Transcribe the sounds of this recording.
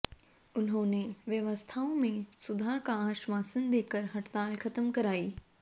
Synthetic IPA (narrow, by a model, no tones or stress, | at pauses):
ʊnɦõːneʋjɐʋəst̪ʰaːõmẽsʊd̪ʱaːɾkaaːʃʋaːsənd̪eːkəɾɦɐʈt̪aːlkʰɐt̪əmkɐɾaːiː